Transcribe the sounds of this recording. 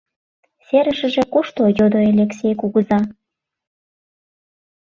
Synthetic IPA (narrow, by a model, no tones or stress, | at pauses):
seɾəʃə̆ʒĕkuʃt̪ojod̪oelʲeksʲejkuɣəzɑ